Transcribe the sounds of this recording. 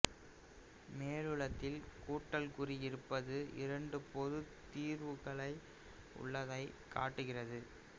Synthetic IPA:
meːɻɯɭɐt̪ːɪlkuːʈːɐlkʊriɪɾɯpːɐðɯɪ̰ɾɐɳɖɯpɔðɯt̪ːiːɾʋɯɣɐɭɐɪ | ʊ̰ɭːɐðɐɪkʰːa̰ːʈːɯɣɪrɐðɯ

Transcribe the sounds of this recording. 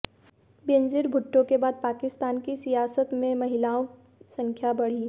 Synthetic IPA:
beːnzɪɾbʱʊʈːõkebaːd̪̚paːkɪst̪aːnkisijaːsət̪mẽmɐɦɪlaːõ | sɐ̃ŋkʰjabɐɽ̤iː

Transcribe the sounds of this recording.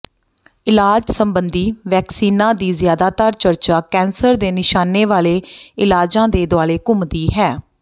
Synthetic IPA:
ɪlaːd͡ʒsəmbənd̪iːʋɛːksiːnãːd̪iːzɪjaːd̪aːt̪aːɾt͡ʃəɾt͡ʃaːkɛːnsəɾd̪eːnɪʃaːneːʋaːleːɪlaːd͡ʒãːd̪eːd̪ʊwaːleːkʊmd̪iːɦɛː

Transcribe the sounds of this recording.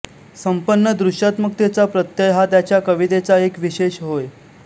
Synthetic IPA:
səmpənːəd̪ɾuʂjat̪mək̚t̪et͡sapɾət̪jəjɦat̪jat͡ɕjakəʋit̪et͡saekʋiɕeɕɦoj

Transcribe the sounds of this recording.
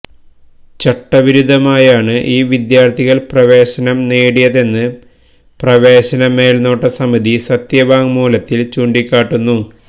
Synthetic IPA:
t͡ɕɐʈːɐʋiɾud̪ʱɐmaːjaːɳɨʔiːʋid̪jaːrt̪ʰiɣɐlprɐʋe̞ːɕɐnɐmneːɽijɐðe̞nːɨ | prɐʋe̞ːɕɐnɐme̞ːlno̞ːʈːɐsɐmiðisɐt̪jɐʋaːŋmuːlɐt̪ːilt͡ɕuːɳɖikʲːaːʈːunːu

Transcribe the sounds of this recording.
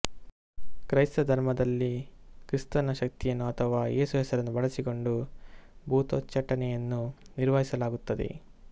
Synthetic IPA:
kɾɐjst̪ɐd̪ʱɐɾmɐd̪ɐlːikɾist̪ɐnɐʃɐk̚t̪ijɐnːuɐt̪ʰɐʋaːjʔeːsuɦɛsɐɾɐnːubɐɭɐsiko̞ɳɖu | bʱuːt̪ot͡ʃːɐʈːɐnɛjɐnːuniɾʋɐɦisɐlaːɡut̪ːɐd̪ḛ

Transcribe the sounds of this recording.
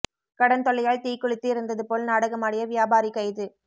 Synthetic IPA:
kɐɽɐnt̪ɔlːɐjaːɭt̪iːkːʊɭɪt̪ːɯɪɾɯnd̪ɐðɯpoːlnaːɽɐɣɐmaːɽɪjɐʋɪjaːbaːɾikːɐɪðɯ

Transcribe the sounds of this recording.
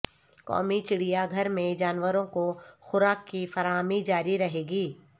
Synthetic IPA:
kɔ̰ːmit͡ʃɪɽijaɡʱɐɾmẽd͡ʒaːnʋəɾõkoxʊɾaːkːifɐɾaːmid͡ʒaːɾiɾɐɦeːɡiː

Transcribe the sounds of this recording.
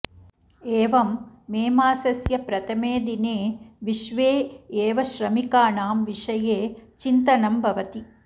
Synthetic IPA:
eːʋɐmːeːmaːsɐsjɐpɾɐt̪ʰɐmeːd̪ineːʋiʃʋeːeːʋɐʃɾɐmikaːɳaːmʋiʂɐjeːt͡ʃint̪ɐnɐmbʱɐʋɐt̪i

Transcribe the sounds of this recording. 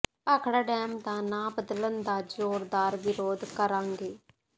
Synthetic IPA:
aːkʰɽaːɖɛːmd̪aːnaːbəd̪lənd̪aːd͡ʒoːɾd̪aːɾʋɪɾoːd̪kəɾãːŋɡeː

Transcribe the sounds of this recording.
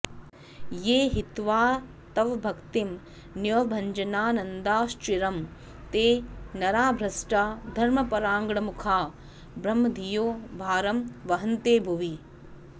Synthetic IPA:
jeːɦit̪ʋaː | t̪ɐʋbʱɐkt̪im | njobʱɐɲd͡ʒɐnaːnɐnd̪aːst͡ʃiɾɐm | t̪eːnɐɾaːbʱɾɐsʈaːd̪ʱɐɾmɐpɐɾaːŋɡɳɐmukʰaː | bɾɐmːɐd̪ʱijoːbʱaːɾɐmʋɐɦɐnt̪eːbʱuʋi

